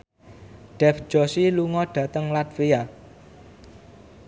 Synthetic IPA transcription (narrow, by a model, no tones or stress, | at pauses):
ɖ̥ɛfd͡ʒ̥ɔsiluŋɔɖ̥ä̤t̪əŋlat̪feja